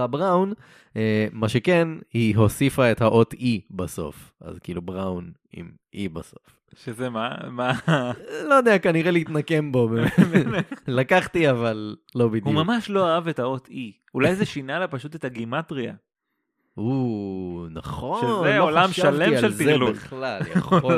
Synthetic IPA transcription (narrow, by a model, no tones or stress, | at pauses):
abʁawn | emaʃe̞kenhiɦo̞sifae̞t̪haʔo̞t̪ibaso̞̰fa̰zkiːlubʁawn | ḭm | ibaso̞f | ʃezemama | lojd̪eakaniʁeliːt̪nake̞mbo̞bem | lakaχt̪iavalːo̞bid̪humamaʃlo̞aavethaot̪ʰi | ulajzeʃinalapaʃut̪etaɡimatʁia̰ | u | naχo̞ʃenoolaʃaalemiaʃelzt̪ielueχlalja̰χo